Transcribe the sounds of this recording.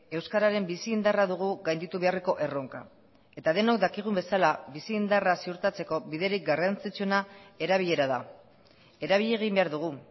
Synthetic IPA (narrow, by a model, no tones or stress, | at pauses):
e̞wskaɾaɾe̞mbisiːnd̪araðuɣ̞uɣajnd̪it̪uβ̞e̞areko̞ʔe̞ro̞ŋka̰ | e̞t̪aðe̞no̞kd̪akiɣ̞umbe̞salabisiːnd̪arasiuɾt̪at͡se̞ko̞βiðe̞ɾik̚ɡarant͡sit͡sue̞nae̞ɾaβiʎe̞ɾaða | e̞ɾaβiʎe̞ɣ̞imbe̞aɾðuɣ̞u